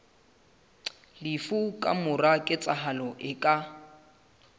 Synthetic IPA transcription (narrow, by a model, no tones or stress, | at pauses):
lɪfukʼa̰mʊrakʼɪt͡sʼaɦalɔʔɪkʼa